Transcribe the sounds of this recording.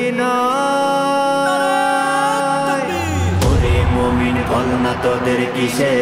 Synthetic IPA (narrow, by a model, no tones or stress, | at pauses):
inɔ | oɾemominbɔlnat̪ɔd̪eɾkise